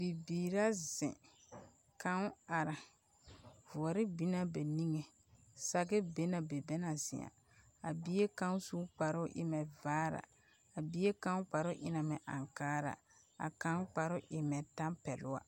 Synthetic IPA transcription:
b̥i˨biː˨ɾa˦zɪ̰̃˨ | kã˦ŋ˦a˨ɾa˨ | vʊ˨ɔ˨ɾɪ˦bi˦na˦ba˨ni˦ŋe˨ | sa˨ɡɛ˦be˦na˨be˨be˦na˨zɪ̰˨a̰˨ | a˨bi˦e˦kã˦n˦su˦k͡pa˨ɾʊ˦ʔɪ̰˦mɛ˨vaː˦ɾa̰˨ | a˨bi˦e˦kã˦ŋ˦k͡pa˨ɾʊ˦ʔɪ˦na˨mɛ˨ʔã̰˨ŋkaː˦ɾa̰˨ | a̰˨kã˦ŋ˦k͡pa˨ɾʊ˦ʔɪ˨mɛ˨tã˦mpɛ˨lʊ˦wa̰˦

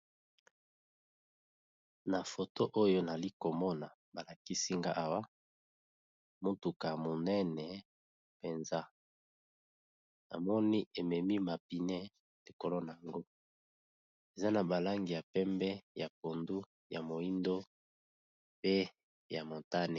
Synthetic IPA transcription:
na˨fo˨to˦ʔo˦jo˦na˨li˦ko˨mɔ˦na˨ | ba˨la˨ki˦si˦ŋɡa˦ʔa˨wa˦ | mo˦tu˨ka˨mo˨nɛ˦nɛ˨ | pe˨nza˦ | na̰˨mɔ˦ni˦e˨mɛ˨mi˦ma˨pi˨nɛ˦ | li˨ko˨lo˦na˨ja˨ŋɡo˦ | e˨za˦na˨ba˨la˦ŋɡi˨ja˨pɛ˦mbɛ˦ja˨p̚o˨ndu˦ | ja˨mo˨i˦ndo˦ | pe˦ | ja˨mo˨ta˦ne˨

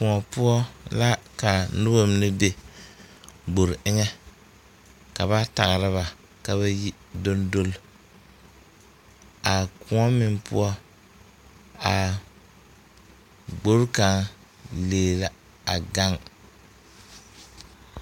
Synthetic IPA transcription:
kʊ˨ŋɔ˨pʊ˦ɔ˦la˦ka˨nʊ˦bo˦m˦nɨ˦be˦ | ɡ͡bo˨ɾɪ˦ŋɛ˦ | ka˨βa˦ta˨ɣɾɨ˦βa˨ | ka˨βa˦ji˦ | do˦ndo˦l | a˨kʰʊ̃˨˦ŋɔ˦mɪ˨ŋpʊ̰˦ɔ˦ | a˨ | ɡ͡bo˦ɾka˨ŋ | leː˨la˨ | a˨ɡa˦ŋ

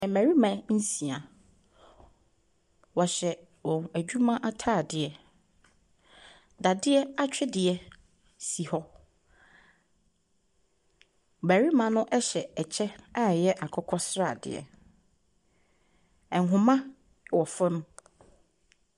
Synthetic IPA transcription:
ɛ̃˨mæ˨ɾi˦mã˨n̩˦sĩ˨a˨ | wɔ˨ɕɛ˨ | ɔ̃˨æ˨d͡ʑᶣu˦mã˦ʔa˦tʰaː˦˨dɪ˨ɛ˨ | da˨dɪ˦ɛ˦a˦t͡ɕᶣɪ˦dɪ˨ɛ˦ | si˨hɔ˦ | mæ˨ɾi˦mã˨nʊ̃˦ʔɛ˦ɕɛ˨ɛ˨t͡ɕʰɛ˦a˦jɛ˦ʔa˨kʰɔ˦kʰɔ˦sɾa̰˦˨dɪ̰˨ɛ̰˨ | ɛ̃˨ŋ˨ɦʊ̃˨mã˦ | wɔ˨fa˦nʊ̃˦

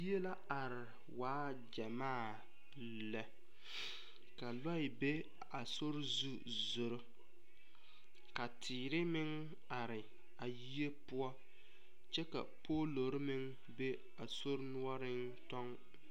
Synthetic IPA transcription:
ji˦e˦la˦a˨ɾɪ˨ | waː˦ | d͡ʒa˨maː˦˨ | lɛ˨ | ka˨la˦ɪ˨be˦ | a˨so˦ɾzu˦ | zʊ˨ɾʊ˦ | ka˨tʰiː˨ɾɪ˦mɪ˦ŋ | a˨ɾɪ˨ | a˨ji˦e˦pʊ˦ɔ˦ | t͡ʃɛ˦ka̰˨poː˦lo˨˦ɾɪ˦mɪ˦ŋ | be˦ | a˨so˦ɾnʊ˦ɔ˦ɾɪ˦n | tɔ˦ŋ

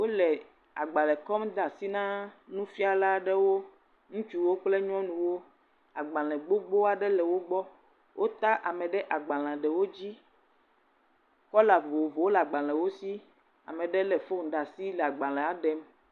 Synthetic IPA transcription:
wo˦lɛ˨ | a˨ɡ͡ba˨lɛ˨kɔ˦md̪a˨si˦nã˦nũ˦fi˦a˨la˦ɖɛ˦wo˦ | ŋũ˦t͡ʃu˦wo˦k͡ple˦ɲ˦ɔ̃˦nũ˨wo˦ | a˨ɡ͡bã˨l̃ɛ̃˨ɡ͡bo˦ɡ͡bo˦a˨ɖɛ˦lɛ˨wo˦ɡ͡bɔ˦ | wʔo˦t̪a˦ʔa˨mɛ̃˨ɖɛ˦ʔa˨ɡ͡ba˨l̃ã˨ɖɛ˨wo˦d͡ʑi˦ | kɔ˦la˨vo˨vo˨wo˦la˨ɡ͡ba˨l̃ɛ˨wo˦si˦ | a̰˨mɛ̃˨ɖɛ˦lɛ˨fo˦ŋ˨ɖa˨si˦lɛ˨a˨ɡ͡ba˨lɛ̃˨a˦ɖɛ˦m

